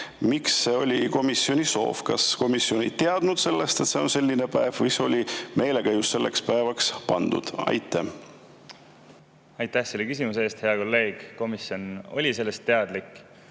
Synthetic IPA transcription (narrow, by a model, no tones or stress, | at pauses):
miksːe̞o̞lʲiko̞misio̞niso̞̰ːfkɑ̰sko̞misjio̞nejt̪e̞ɑd̪̥nud̪̥se̞lːest̪e̞t̪se̞onse̞lʲːinepæevvɨjseo̞lʲimʔe̞jlekɑjusːe̞lːe̞̰kspæevɑkspɑ̰nd̪̥ṵd̪̥ɑ̰jt̪ʰːˑæh | ɑjt̪ˑːæhsejlːekys̬imuseːst̪he̞ɑko̞lːe̞ːɡ̥ko̞misjono̞lʲise̞lːe̞st̪ːe̞ɑd̪̥likːˑ